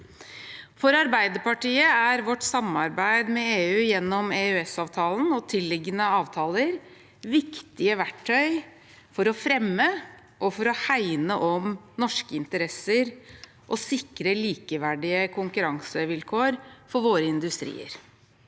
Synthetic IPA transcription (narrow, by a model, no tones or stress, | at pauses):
fɔɾɑɾbæɪd̪əpɑʈiːəæɾʋɔʈːsɑmɑɾbæɪd̪mɛeːʉːjɛnːɔmeːʉɛsɑːʋt̪ʰɑːln̩ɔt̪ʰɪlːɪɡənəɑːʋt̪ʰɑːləɾ | ʋɪkt̪ɪəʋæʈʰːœʏ | fɔɾɔfɾɛmːə | ʔɔfɔɾɔhæɪnəʔɔm | nɔʂkəɪnt̪əɾɛsəɾ | ʔɔsɪkɾəliːkəʋæɖɪəkʰʊŋkʉɾɑŋsəʋɪlkʰoːɾfɔɾʋoːɾəɪnd̪ʉst̪ɾḭːə̰ɾ